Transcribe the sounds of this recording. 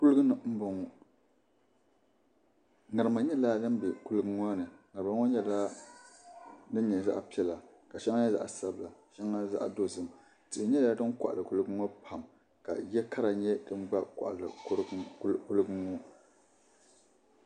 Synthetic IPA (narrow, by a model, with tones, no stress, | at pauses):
ku˦lɨ˦ɡɨ˦nɨ˨m̩˦bɔ˨ŋɔ˦ | ŋa˨ɾɨ˨ma˨ɲɛ˦la˦nɨ˦m˦bɛ˨ku˦lɨ˦ɡɨ˦ŋɔ˦nɨ˨ŋa˨ɾma˨˦ŋɔ˦ɲɛ˦la˦ | nɨ˦n˦ɲɛ˨za̰˦ʔpi˦ɛ˦la˨ | ka˨ʃa˦ŋa˦ɲɛ˦za̰˦ʔa˨sa˦bɨ˨la˨ʃɛ˦ŋa˦za̰˦ʔdo˦zɨ˨m | tɨ˨ʔɨ˨ɲɛ˦la˦dɨ˦nkʷa̰˨ʔa˨lɨ˨ku˦lɨ˦ɡɨ˦ŋɔ˦pʰa˨m | ka̰˨jɛ˦kʰa˦ɾa˨ɲɛ˦dɨ˦n˦ɡ͡ba˦ka̰˨ʔlɨ˨˦ɾku˦lɨ˦ɡɨ˦ŋɔ˦